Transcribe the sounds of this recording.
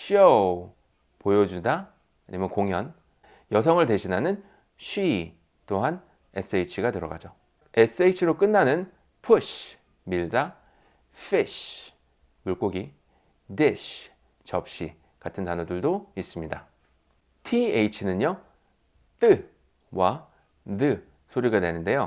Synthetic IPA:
ɕʰiʌ | pojʌd͡ʑudaː | ɲimjʌnkoŋɦjʌn | jʌsʰʌŋɯɭte̞ɕʰinanɯn | ɕʰɥi | t͈oɦan | e̞s͈ʰɯejit͡ɕʰiɡatɯɾʌ̰ɡa̰d͡ʑo | e̞s͈ʰɯeit͡ɕʰiɾok͈ɯnːanɯn | pʰuɕʰ | miɭda | fʰiɕ | muɭk͈oɡi | deɕʰ | t͡ɕʌp̚ɕ͈i | katʰɯntanodɯɭdois͈ɯmɲida | tʰieit͡ɕʰinɯɲʌ | t͈ɯ | wa | dɯ | sʰoɾiɡanwenɯnde̞jo

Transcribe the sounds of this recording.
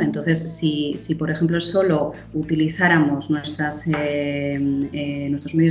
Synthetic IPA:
ent̪o̞nθe̞sːisipo̞ɾe̞xe̞mploeso̞lo | ut̪iliθaɾamo̞znwe̞st̪ɾasemenwet̪omejo

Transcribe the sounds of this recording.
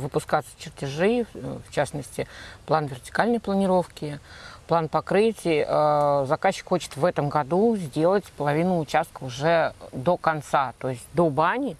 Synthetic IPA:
vɨpʊskat̪sə̥t͡ɕɪrtʲɪʐɨft͡ɕasnəsʲtʲɪplˠanvʲɪrtʲɪ̥kalʲnəjplˠənʲɪɾo̞fkʲɪplˠanpɐkɾɨtʲɪjəʔəzɐkaɕːɪ̥kxo̞t͡ɕɪ̥t̪vɛt̪əmɡɐd̪uzʲdʲe̞lˠətʲpəlˠɐvʲinʊːt͡ɕast̪̚kəʊʐɛd̪o̞kɐnt̪sat̪o̞ɪsʲt̚ʲd̪o̞banʲɪ

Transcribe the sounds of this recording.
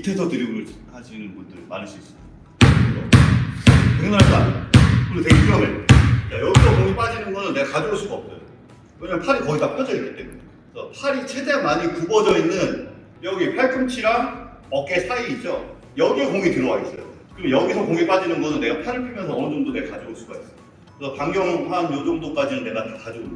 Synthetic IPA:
itʰesʰʌtɯɾiɡɭkad͡ʑinɯnbundɯɾma̰ɲis͈uis͈ɯɲikaesʰʌ̰ | tɯŋnaɾɦas͈a̰ɲakomɯnteɡepʰijʌŋetek͈ajʌɡisʰʌkoŋip͈ad͡ʑinɯnɡʌnɯnːe̞ɡakad͡ʑooɭs͈uɡʌp̚t͈ʌjo | weɲamʌnpʰaɾikʌɡitap͈ʌd͡ʑʌik͈i̥t͈e̞muɲe | sʰʌpʰaɾit͡ɕʰedemaɲikubʌd͡ʑʌinːɯn | jʌɡipʰaɭkʰɯmt͡ɕʰiɾaŋ | ʌk͈e̞sʰaiːt͡ɕ͈o | jʌɡiekoŋitɯɾʌwais͈ʌjo̰kɯɾimnjʌɡisʰʌkoŋip͈ad͡ʑinɯnɡʌnɯnːe̞ɡapʰaɾɯɭpʰimjʌnsʰʌʌnɯd͡ʑʌŋdone̞ɡakad͡ʑoɡoɭs͈uɡa̰is͈ʌjo | kesʰʌpaŋɡjʌŋɸanjodoŋdok͈ad͡ʑinɯnːe̞ɡatekad͡ʑoon

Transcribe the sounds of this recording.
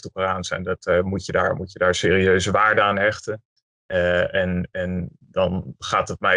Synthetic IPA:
təkəraːnsɛ̰ndɑtmucjədaːɹmucjədaːɹseːriøɥzəʋaːɹdəaːnɛχtən | ɛnɛn | dɑnχaːtət̚mɛ

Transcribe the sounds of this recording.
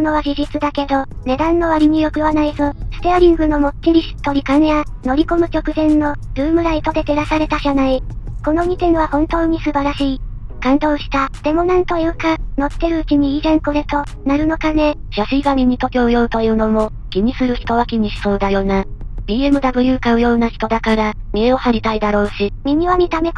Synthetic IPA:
ono̞βaʑiʑit͡sɨd̪ake̞d̪o̞ | ne̞d̪ãnːo̞βaɾʲiɲ̟ijo̞kɯ̟βanaizosɨ̥t̪eaɾʲĩŋɡɯ̟no̞mo̞tt͡ɕːiɾʲiɕi̥t̪ːo̞ɾʲikaneja | no̞ɾʲiko̞mɯ̟t͡ɕo̞kɯ̟zẽ̞nːo̞ɾɯ̟ːmɯ̟ɾait̪o̞d̪e̞t̪eɾasaɾe̞t̪aʑanaiko̞no̞ɲ̟ʲit̪ẽ̞ɰ̃βahõ̞nt̪o̞ːɲ̟isɨbaɾaɕiː | kãnd̪o̞ːɕi̥t̪ad̪̥e̞mo̞nãnt̪o̞jɯ̟ːkano̞t̪ːe̞ɾɯ̟ɯt͡ɕiɲ̟iːzẽ̞ŋko̞ɾe̞t̪o̞ | naɾɯ̟no̞kane̞ | ɕaɕiːɡamʲiɲ̟it̪o̞kʲoɯjo̞ɯ̟t̪o̞jɯ̟ːno̞mo̞ | kʲiɲ̟isɨɾɯ̟çi̥t̪o̞βakʲiɲ̟iɕi̥so̞ːd̪ajo̞ːnabʲiːe̞mɯ̟d̪abɯ̟jɯ̟ːkaɯ̟jo̞ːnaçi̥t̪o̞d̪akaɾamʲieo̞haɾʲit̪aid̪aɾo̞ːɕimʲiɲ̟iβamʲit̪ame̞k

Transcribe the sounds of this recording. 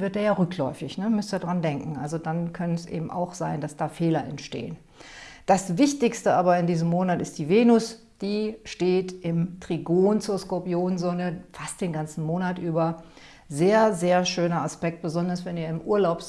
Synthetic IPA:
vɪɐt̚deːɐjaːʁʏklɔ̰ʏfɪçnəmʏstiɐdʁandɛŋkŋ̩ʔalzodankʰœnəsʔḛːbm̩a̰ʊxz̥aɪnd̥asd̥aːfeːlɐʔɛ̰ntʃtḛːən | d̥asvɪçtɪçstəʔaːbɐɪndiːzəmoːnatɪstd̥iːveːnʊs | d̥iːʃteːtʔɪmtʁ̥iɡoːnt͡suːɐskoɐpjoːnnzoːnəfast̚d̥eːnɡant͡sn̩moːnatʔyːbɐ | zeːɐzeːɐʃøːnɐaspɛk̚t̚b̥əzɔndɐsv̥ɛniːɐɪmʔuːɐlaʊp

